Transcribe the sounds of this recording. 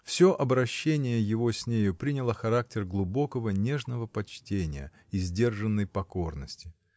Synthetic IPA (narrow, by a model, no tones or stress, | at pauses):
fsʲo̞ʔɐbɾɐɕːenʲɪjəjɪvo̞sʲnʲejʊpɾʲinʲɪlˠəxɐɾak̚tʲɪrɡlˠʊbo̞kəvənʲe̞ʐnəvəpɐt͡ɕtʲenʲɪ̰jə̰ | izʲdʲe̞rʐənːəjpɐko̞rnəsʲtʲɪ